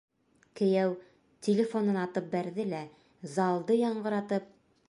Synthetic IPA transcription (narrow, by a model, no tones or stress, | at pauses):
kɘ̆jæw | t̪ʲʰɪlʲɪfo̞nɤnɑt̪ɤp̚bæɾðɘlæ | zɑlˠd̪ɤjɑɴɢɤ̆ɾɑt̪ɤp̚